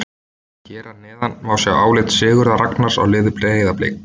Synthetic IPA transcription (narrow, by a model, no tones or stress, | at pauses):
cɛːɾanɛːðanmaːwsjɛʔaːwlɪt̪sɪːɣʏɾðaɾaknaɾ̥sa̰wlɪːðʏpleːɣejðaplḛːk